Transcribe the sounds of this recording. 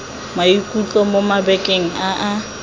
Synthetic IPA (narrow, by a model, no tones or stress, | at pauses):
maikʼut͡ɬʼɔmomabɛkʼeŋ̩aʔa